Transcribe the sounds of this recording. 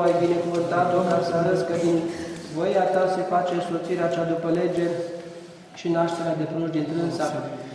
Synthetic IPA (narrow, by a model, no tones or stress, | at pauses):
ajbine̞kuvɨnt̪at̪̚d̪amasaɾəskəd̪invojat̪ase̞fat͡ʃe̞so̞t̪siɾeat͡ʃad̪upəle̞d͡ʒe̞rʲ | ʃinaʃt̪e̞ɾead̪e̞punuʒd̪int̪ɾɨnsa